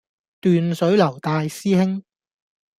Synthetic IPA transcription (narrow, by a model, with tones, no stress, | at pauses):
t̪yː˨nsɵ˨˥ɥlɐ˨˩wt̪aː˧jsiː˥hɪ˥ŋ